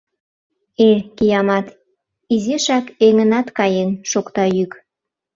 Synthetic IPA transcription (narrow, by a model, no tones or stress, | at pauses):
ekijɑmɑt̪ | izeʃɑkeŋənɑt̪kɑjenʃokt̪ɑjyk